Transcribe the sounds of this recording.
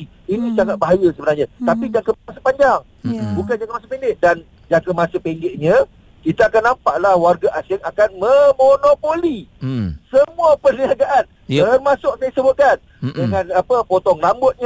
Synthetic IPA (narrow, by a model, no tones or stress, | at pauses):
inĩsaŋat̪̚baɦajasəbənarɲãt̪apid͡ʒakəasəpaɲd͡ʒaŋ | bukand͡ʒakəmasəpeŋɡeʔ̚dan | d͡ʒakəmasəpeŋɡɪʔɲã | kit̪aakanːampaʔlahwarɡaʔasɪŋakanməmonopolisəmuapəniaɡaʔan | t̪ərmãsʊkkaisəbʊt̪̚kan | dəŋãnapəpot̪ɔŋlambʊt̪̚ɲa